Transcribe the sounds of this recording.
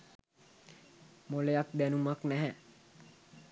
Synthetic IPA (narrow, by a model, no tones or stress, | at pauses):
molejak̚d̪ænumaknæɦɛ